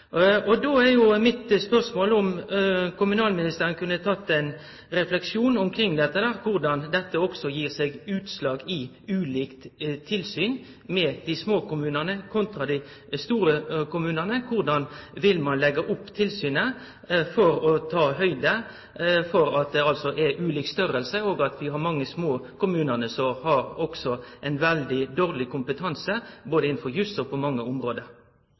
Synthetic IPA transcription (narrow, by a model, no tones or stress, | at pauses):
ɔd̪oːæʁjʊmɪt̪spœʁsmoːlʊmkʰʊmʉnɑːlmɪnɪst̪əɾənkʰʉnːət̪ʰɑt̪ːɛɪn | ɾɛflɛkʂuːnʊmkʰɾɪŋːd̪ɛt̪ːəd̪æːʁkʰʊʁd̪ɑnd̪ɛt̪ːəɔksɔjiːʁsɛɡʉːt̪slɑːɡɪ | ʉːliːkt̪t̪ʰɪlsyːn | mɛːd̪̥ɪsmoːkʊmʉːnənəkʰʊnt̪ɾɑd̪ɪ | st̪uːɾəkʊmʉːnənəkʰʊʁd̪ɑnʋɪlmɑnlɛɡɑʔʊpːt̪ʰɪlsyːnə | fɔɾɔt̪ʰɑːɦœʏd̪ə | fɔɾɑt̪̚d̪ɛɑlsɔʔɛʔʉːliːkst̪œɾəlsəoːɡɑt̪ʰʋɪɦɑɾmɑŋːəsmoːkʊmʉːnənəsɔhɑɾɔksɔʔɛɪnʋɛld̪ɪd̪oːʁlɪkʊmpət̪ʰɑnsəboːd̪əɪnn̩fɔɾjʉsɔpʰɔmɑŋːəʊmɾoːd̪əɾ